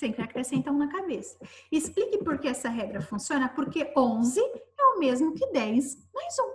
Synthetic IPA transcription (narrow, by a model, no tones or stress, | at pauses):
sẽkɾɪakɾesẽnt̪ɐ̃w̃nɐkabesɐ̥ɪsplikɪpoɾkeɛsɐɦɛɡɾɐfũsiõnɐpoɾkeõzɪɛʊmezmʊkɪd̪ɛjsmajzũ